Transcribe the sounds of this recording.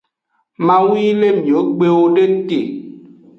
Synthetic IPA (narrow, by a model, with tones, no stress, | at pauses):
mã˨wi˦le˦mĩ˨o˨˦ɡ͡be˦wo˦ɖe˦te˨